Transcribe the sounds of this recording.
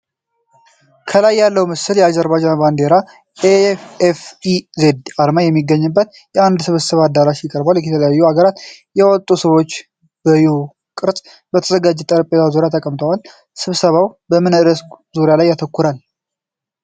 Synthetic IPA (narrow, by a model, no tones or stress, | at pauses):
kʰəlajːalːəwmɨsɨljɛad͡ʒəɾbad͡ʒanband̪e̞ɾa | efefize̞d̪aɾmajɛmːiɡːəɲːɨbːət̪ | jɛand̪sɨβɨsəβaad̪ːaɾaʃjɪkʼəɾbaljɛt̪ʰələjajːuaɡəɾat̪jɛwɔt̪ʼusɨβo̞t͡ʃː | b̥əju | kʼɨɾsʼ | bət̪ʰəzəɡad͡ʒːɛt̪ʼəɾəpʼet̪azuɾjat̪ʰəkʼəmt̪ʰəwal | sɨβsəβawbəmɨnɨɨɾəszuɾjalajːat̪ʰəkːuɾal